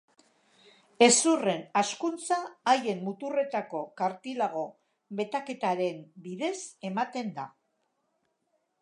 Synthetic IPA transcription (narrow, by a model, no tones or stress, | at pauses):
e̞sure̞naskunt͡saːje̞mmut̪ure̞t̪ako̞kaɾt̪ilaɣ̞o̞ | be̞t̪ake̞t̪aɾe̞mbiðe̞se̞mat̪e̞nd̪a